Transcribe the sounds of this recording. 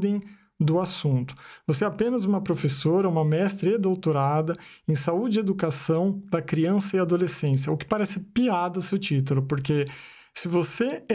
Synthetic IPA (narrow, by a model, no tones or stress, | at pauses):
d̪ẽj̃ | d̪ʊasũnt̪ʊ̥voseɛapẽnɐzũmɐpɾofesoɾɐũmɐmɛst̪ɾɐed̪owt̪oɾad̪ɐ | ẽj̃saud͡ʒɪed̪ukasɐ̃w̃d̪ɐkɾiɐ̃sɐɪad̪olesẽsjɐʊkɪ̥paɾɛsɪpiad̪ɐʊsewt͡ʃit̪̬ʊlʊpoɾke | sɪvose